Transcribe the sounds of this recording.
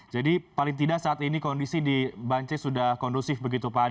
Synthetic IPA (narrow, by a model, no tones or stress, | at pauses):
d͡ʒadipalɪŋt̪idaʔsaːt̪inikɔndisidibaɲt͡ʃɛsudahkɔndusɪfbəɡit̪upa